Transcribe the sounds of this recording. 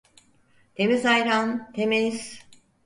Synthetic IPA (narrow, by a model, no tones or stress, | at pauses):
t̪emizajɾant̪ʰemeis